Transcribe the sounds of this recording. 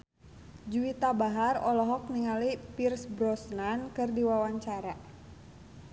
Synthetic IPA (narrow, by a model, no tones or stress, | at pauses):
d͡ʒuwit̪abaɦarɔlɔɦɔk̚niŋalipirsbɾɔsnankɨrdiwawaɲt͡ʃaɾa